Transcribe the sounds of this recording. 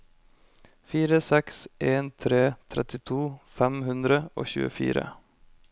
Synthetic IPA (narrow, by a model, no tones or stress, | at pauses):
fiːɾəsɛkseːnt̪ʰɾeːt̪ʰɾɛt̪ɪt̪ʰuːfɛmhʉnd̪ɾəo̰ːçʉ̰ːə̰fḭːɾə̰